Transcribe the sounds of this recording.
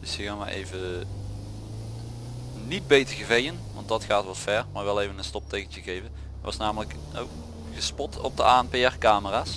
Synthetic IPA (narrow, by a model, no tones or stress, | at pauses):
d̥ɵsjəkaːnʋajʔḛjvə | nid̚bejtəɹɣəvejənʋɑntdɑtχaːtʋɑtfɛɹmaːɹʋɛlˠejvənənstɔp̚tejkənt͡ʃəɣejvə | ʋɑ̰snaːmələk | o | χəspɔtʰɔ̰b̚dəʔaːɛnpeɛrkaːməraːs